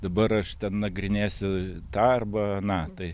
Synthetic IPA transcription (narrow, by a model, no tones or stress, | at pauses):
d̪ɐbɐɾɐʃt̪ʲɛnnɐɡɾʲɪnʲeːsʲʊt̪ɐrbɐɐnɑt̪ɐɪ